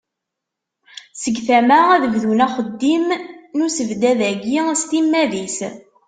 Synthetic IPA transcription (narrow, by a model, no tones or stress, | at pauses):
səɡθæmææðəvðunæχəd̪ːimnusəvd̪æðæɡist̪imːæðis